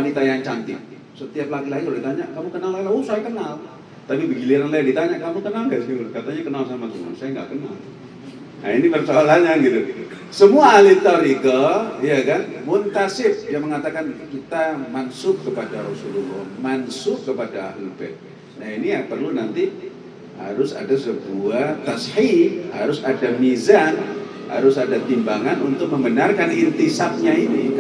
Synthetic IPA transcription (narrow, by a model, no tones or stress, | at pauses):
wanit̪ajaŋt͡ʃant̪ɪ | sət̪iap̚lakilaɡiloʔdit̪aɲaʔkamukənalalausajakənal | t̪apibəɡiliɾanlajadit̪aɲaʔkamukənalɡaʔiukat̪aɲakənalsamakəna̰lsajaŋɡa̰ʔkəna̰l | na̰inipərt͡ʃalaɲaŋɡit̪u | səmuaːlɪt̪aɾiɡajakanmʊnt̪asɪpjaŋməŋat̪akankit̪amansʊp̚kəpadaɾɔsululɔmansʊpkəpadaa̰hlubɛt̪̚ | nahinijapərlunant̪i | ha̰ɾʊsa̰dasəbuat̪ashiha̰ɾʊsadamizan | ha̰ɾʊsadat̪imbaŋanunt̪ʊk̚məmbənarkanint̪isap̚ɲaini